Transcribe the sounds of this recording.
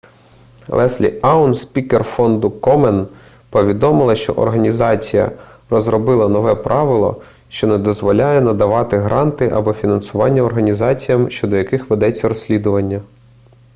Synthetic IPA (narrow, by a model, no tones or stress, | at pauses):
lˠʔɛslʲḭɑʊnspʲikerfɔnd̪ʊkɔmɛn | pɔʋʲid̪ɔmɪlˠɐʃt͡ʃɔ̰ʔɔ̰rɦɐnʲizɑt͡sʲijɐ̰ | rɔzɾɔbɪlˠɐnɔʋɛpɾʔɑʋɪlˠɔ̰ | ʃt͡ʃɔnɛd̪ɔzʋɔlʲajɛnɐd̪ɐʋɑt̪ɪɦɾɑnt̪ɪʔɐbɔfʲinɐnsʊʋɑnʲːɐɔrɦɐnʲizɑt͡sʲijɐmʃt͡ʃɔd̪ɔjɐkɪxʋed̪ɛt͡sʲːɐɾɔsʲlʲid̪ʊʋɐnʲːɐ